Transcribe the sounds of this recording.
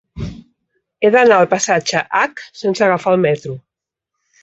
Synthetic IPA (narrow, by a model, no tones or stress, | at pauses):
eðənaəlˠpasad͡ʒəʔaksensəɣafaəlˠmɛt̪ɾu